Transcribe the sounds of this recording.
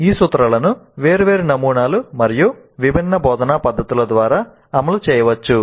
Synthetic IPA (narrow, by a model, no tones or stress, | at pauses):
iːsut̪ɾɐlɐnuʋeːɾʋe̞ːɾinɐmuːɳaːlumɐɾiju | ʋibʱinːɐbɔːd̪ɐnaːpɐd̪ʱːɐt̪ulɐd̪ʋaːɾaː | ɐmɐlut͡ʃɛːjɐʋɐt͡ʃːu